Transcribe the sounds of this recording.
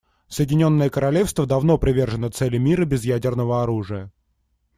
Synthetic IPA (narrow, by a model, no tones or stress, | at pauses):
səjɪdʲɪnʲo̞nːəjəkəɾɐlʲefst̪vəd̪ɐvno̞pɾʲɪvʲe̞rʐɨnət̪sɛlʲɪmʲiɾəbʲɪzjædʲɪrnəvəɐɾuʐɨjə